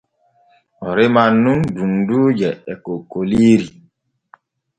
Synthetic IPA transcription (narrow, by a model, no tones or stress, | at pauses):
ɔɾemanːundunduːd͡ʒɛɛkokoliɾi